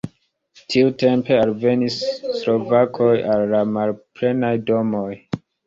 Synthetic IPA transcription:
tʰiute̞mpe̞alve̞nisːlo̞vakʰo̞jalːamalpɾe̞najdo̞mo̞j

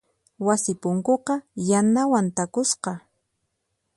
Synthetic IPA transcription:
wasɪpʊŋkoqɑjanawant̪akʊsqɑ

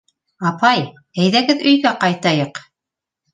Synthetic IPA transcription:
ɑpɑj | æjðæɡɘðɵ̆jɡæqɑjt̪ɑjɤq

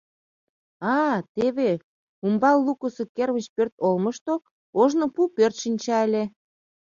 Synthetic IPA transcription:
ɑt̪eβe | umbɑlːukusokerβət͡ɕpørt̪olməʃt̪o | oʒnopupørt̪ʃinʲt͡ɕɑelʲe

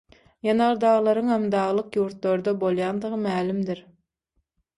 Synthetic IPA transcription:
jɑnɑɾd̪ɑːʁlˠɑɾɯŋhemd̪ɑːʁlˠɯqjuːɾt̪lˠoɾd̪ɑbolˠjɑnd̪ɯʁɯmæːlimd̪iɾ

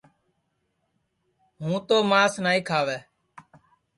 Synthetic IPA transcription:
ɦũːt̪oːmaːsnaːĩːkʰaːʋɛː

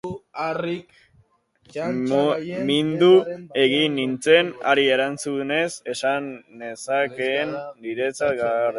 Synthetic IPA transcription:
rik | mind̪ue̞ɣinːint͡se̞na̰ɾieɾant͡sune̞se̞sandesakend̪iɾe̞t͡sat̪̚ɡaɾ

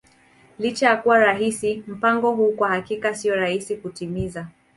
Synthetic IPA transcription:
lit͡ʃajakuwaɾaɦisim̩paŋɡɔɦuːkwahakikasiɔɾahisikutimiza

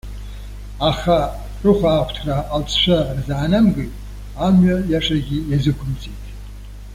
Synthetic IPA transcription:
aχa | rɨχʷaːχʷʰtʰraʔːlt͡sʰʂʷarzaːnamɡɨjtʼ | amɥajaʂʼaɡʲijazɨkʷʰʊmt͡sʰʼijtʰʼ

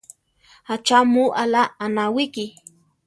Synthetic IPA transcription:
at͡ʃamuʔalaːnawiki

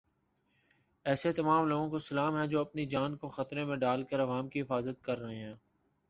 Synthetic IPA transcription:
ɛːset̪ɐmaːmloːɡõkosɐlaːmɦɛ̃d͡ʒoːɐpnid͡ʒaːnkoxɐt̪ɾẽmẽɖaːlkəɾɐʋaːmkiɦɪfaːzət̪kɐɾːɐɦẽɦɛ̃ː

